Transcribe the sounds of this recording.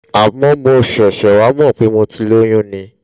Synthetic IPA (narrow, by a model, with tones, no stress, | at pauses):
a˨mɔ̃˧mo˧˨ʃɛ˨ʃɛ˨wa˨˦mɔ̃˦˨k͡pe˨˦mo˧ti˧˦lo˦j̃ũ˦˨nĩ˧